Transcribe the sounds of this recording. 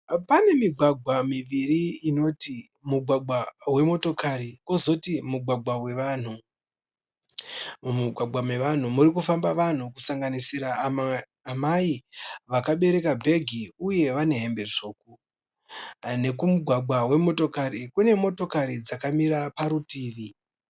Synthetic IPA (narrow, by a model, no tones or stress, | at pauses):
pane̞miɡʱwaɡʱwamiʋiriːno̞ti | muɡʱwaɡwawe̞mo̞to̞kaɾikozo̞timuɡʱwaɡʱwawe̞ʋaːn̤u | muɡʱwaɡ͡bʱwamwe̞ʋan̤umuɾikufambaʋan̤ukusaŋɡanisiɾaː | maiʋakaɓe̞ɾe̞kabʱe̞ɡʱiuje̞ʋane̞ɦe̞mbe̞ʐo̞ːku | ne̞kumuɡʱwaɡ͡bʱwawe̞mo̞to̞kaɾikune̞mo̞to̞kaɾid͡zakamiɾapaɾutiːʋi